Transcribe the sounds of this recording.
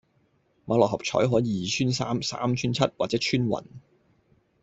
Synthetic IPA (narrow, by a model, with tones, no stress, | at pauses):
maː˨˥lɔː˨khɐ˨˩p̚t͡ʃʰɔ̰ː˨˥jɦɔː˨˥jiː˨˧˨t͡ʃʰyː˥nsaː˥msa̰ː˥mt͡ʃʰyː˥nt͡sʰɐ˥t̚waː˨t̚t͡sɛː˨˥t͡ʃʰyː˥nwɐ̰˨˩n